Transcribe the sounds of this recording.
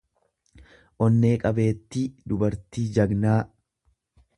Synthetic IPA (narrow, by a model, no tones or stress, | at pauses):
ʔɔnːe̞ːkʼɐbe̞ːt̪ːid̪ʊbɐɾt̪iːd͡ʒɐɡnaː